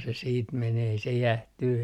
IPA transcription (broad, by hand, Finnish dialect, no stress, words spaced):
se siːt meneː ei se jæhtyː